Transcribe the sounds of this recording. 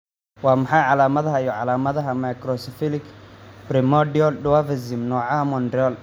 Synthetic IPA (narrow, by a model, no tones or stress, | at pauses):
wɑːmɐħɑjʕɑlaːmɐðɐɦɐijɔʕɑlaːmɐðɐɦɐmajkɾɔsɪfɪlɪkbɾɪmɔdɪɔlɖʊwavɐzɪmnɔːʕamɔnd̪ɾɪɔl